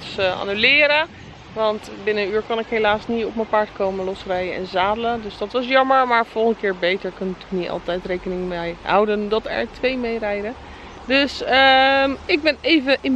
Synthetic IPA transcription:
tsa̰ːnylɪːɾə | ʋɑntbɪnəənyːɹkʊnɪkɦejlaːsnitɔpməpaɹtkowmənlɔsərɛjənɛ̰nzaːdələdøsdɑtʋɑs̬jɑməɹmaːɹfɔlˠχəndtəkɪːɹbejtəɹkɔnətyknitɑ̰lˠtɛjtrejkənɪŋmɛjɦʌ̰wdəndɑtɛ̰ɹtʋejmejrɛjdə | døsəɪɡ̚bɛnejvəʔɪ

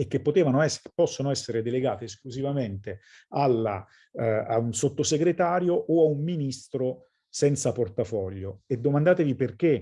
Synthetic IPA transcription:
ek̟ːepːot̪eːvanoɛspːɔsːonoɛsːeɾed̪eleɡaːt̪eːskluzivament̪e | alːa̰ | a̰unsot̪ːoseɡɾet̪aːɾjoʔoaumːinist̪ɾo | sɛnt̪saport̪afɔʎːoed̪ːomand̪aːt̪eviperk̟e

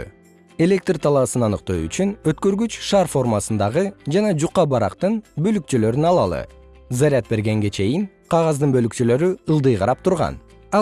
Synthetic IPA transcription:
e̞lʲe̞k̚t̪rt̪ʰɑlˠɑsɯnɑnɯqt̪oy̰t͡ʃynøt̪køɾɡyt͡ʃʃarfo̞rmasɯnd̪ɑʁɯd͡ʒɑnɑd͡ʒuqːɑbɑɾɑ̰qt̪ɯnbø̞lyk̚t͡ʃylø̞ɾynɑlˠɑ̰lˠɯ̰ | zaɾʲɪat̪̚be̞ɾɡe̞ŋɡe̞t͡ʃʰe̞jiŋ | qʰɑʁɑzd̪ɯnbølyk̚t͡ʃylø̞ɾyɯlˠd̪ɯjqʰɑɾɑp̚t̪ʰuɾʁɑ̰n | ɑ

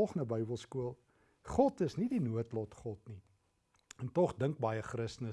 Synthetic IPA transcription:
lˠχəndəbœjbəlˠskuəlˠ | χɔtəsnidinuətlɔtχɔtni | ɛntɔχdəŋk̚bɑjəχrəstənə

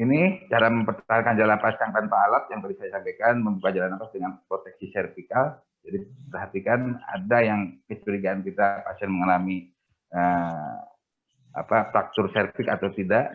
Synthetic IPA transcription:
init͡ʃaɾaməmpərt̪t̪aɦankand͡ʒalapasjaŋp̪anpaːlap̚jaŋkadisajasampajkanməmukad͡ʒalanapasdəŋanpɾot̪ɛk̚sisɛrfikal | d͡ʒadipərɦat̪ikana̰dajaŋkəskəɾiɡaːnkit̪apasɛnməŋalami | ə | a̰pafɾak̚t̪ʊrsɛrpɪkat̪awt̪idaʔ

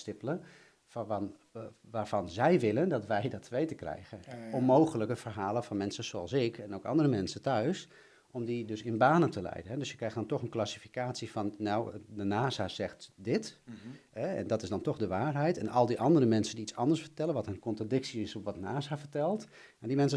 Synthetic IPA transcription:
stɪpələ | f | ʋaːɹfɑnzɛjʋɪləndɑtʋɛjdɔtʰʋejtəkrɛ̰jɣənɔmːowxələkəfərɦaːləfɑnmɛnsəzoɑ̰lˠsɪkʰɛnowkɑ̰ndərəmɛnsəntœɥs | ɔmdidøsɪnbaːnəntəlɛ̰jdənɦɛdøsjəkrɛjxdɑntɔxənklasifi̥kaːtsifɑnːawdənaːzaz̥ɛxtdɪtɦɛɛ̰ndɑtɪsdɑntɔxdəʋaːrɦɛjtɛnɑlˠdiʔɑndərɾəmɛnsəndiitsɑndəɹsfərtɛlˠənʋɑtənkɔntradɪksiɪsɔfʋɑtnaːsafərtɛlˠt | madimɛns̬ə

